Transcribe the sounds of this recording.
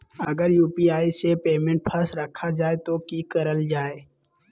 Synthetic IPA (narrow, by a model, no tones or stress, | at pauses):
ɐɡəɾjuːpiaːisepeːmẽɳʈ̚pʰɐsɾəkʰːad͡ʒaːet̪okikɐɾəld͡ʒaːe